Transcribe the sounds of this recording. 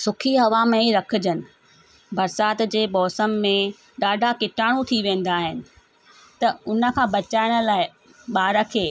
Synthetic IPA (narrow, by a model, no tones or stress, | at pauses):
sʊkʰiɦɐʋamẽɾɐkʰʊ̆d͡ʑənɪ̆ | bɐɾsaːt̪d͡ʑeːmɔːsəmːẽ | ɗaːɖʱakɪʈʰaːɽ̃ũt̪ʰiʋẽːn̆d̪aːɦɪnɪ̆ | t̪ɐʊnə̆kʰãːbɐt͡ɕaːɪɽ̃ʊ̆laːɪ | ɓaːɾəkʰeː